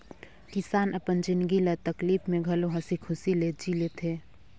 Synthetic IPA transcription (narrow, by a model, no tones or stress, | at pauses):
kɪsaːnəpənd͡ʒɪnd̪ɡilət̪əkliːfmẽɡʱɐloɦɐsikʰʊsileːd͡ʒilet̪ʰeː